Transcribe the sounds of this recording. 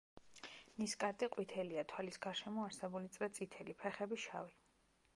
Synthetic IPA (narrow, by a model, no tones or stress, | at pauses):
niskʼaɾt̪ʼiqʼwit̪ʰɛliat̪ʰwalisɡaɾʃɛmɔaɾsɛbulit̪sʼɾat̪sʼit̪ʰɛlipʰɛχɛbiʃa̰vi